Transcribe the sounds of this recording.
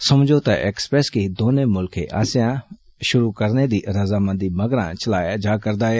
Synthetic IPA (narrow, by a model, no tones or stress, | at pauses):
sɐmd͡ʒot̪aʔḛːksə̥pɾɛːskid̪oːnẽmʊlkʰḛʔa̰ːsjã | ʃʊɾukɐɾned̪iɾɐzaːmɐ̃nd̪imɐɡɾã̰t͡ʃɐlaːjad͡ʒaːkɐɾd̪aːe